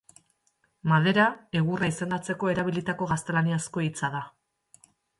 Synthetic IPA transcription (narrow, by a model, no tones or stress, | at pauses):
mað̞e̞ɾae̞ɣuraise̞nd̪at͡se̞ko̞e̞ɾaβ̞ilit̪ako̞ɣast̪e̞laniasko̞it͡sað̞a